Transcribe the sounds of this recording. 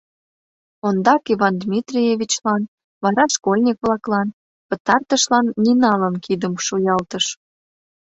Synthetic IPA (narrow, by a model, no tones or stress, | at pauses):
ond̪ɑkiβɑnd̪mʲit̪rʲijevʲit͡ɕlɑn | βɑɾɑʃkolʲnʲikβlɑklɑn | pət̪ɑrt̪əʃlɑnːinɑlənkʰid̪əmʃujɑlt̪əʃ